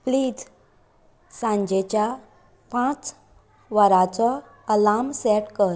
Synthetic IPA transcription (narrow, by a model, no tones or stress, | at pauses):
pliːd͡z | sãɲd͡ʑet͡ɕja | pãt͡s | ʋəɾat͡sɔ | əlamsɛʈkəɾ